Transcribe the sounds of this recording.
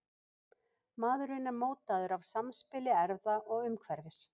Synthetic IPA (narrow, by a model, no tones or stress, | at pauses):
maːðɾʏnamoːwt̪aðʏɾavsamspɪlɪɛɾðaʔɔɣʏmkʰvɛɾvɪs